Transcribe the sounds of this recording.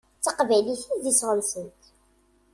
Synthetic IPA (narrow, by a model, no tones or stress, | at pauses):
t͡sːəqvæjliθnðisʁəmsənt̪